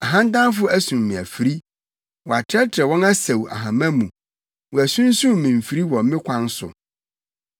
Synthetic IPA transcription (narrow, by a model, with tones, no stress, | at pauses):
a˨ɦã˦n̩˦dã˦n˦f̬ʊ˦æ˦sũ˨mːĩ˨æ˨fi˨ɾi˦ | wɔ˨a˨tʰɾɛ˦tʰɪ˨ɾɛ˨wɔ̃˦na˦se˨wa̰˨ɦã˨mæ̃˦mũ˨ | wɔ˨æ˨sũ˦n˦sũ˦m˨mĩ˨m̩˨fi˨ɾi˦wɔ̃˨m˦ɪ̃˦kʷʰã˦n˦sʊ̰˨